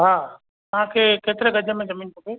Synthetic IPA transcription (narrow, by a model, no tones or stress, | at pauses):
ɦaː | t̪ɐʋ̤ãkʰeːkeːt̪ɪɾeɡɐd͡ʑʱəmẽzɐmiːnkʰopeː